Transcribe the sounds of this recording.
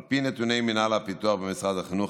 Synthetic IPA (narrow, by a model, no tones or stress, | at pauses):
pinɛt̪unejminalapit̪uaχbəmisʁad̪aχinu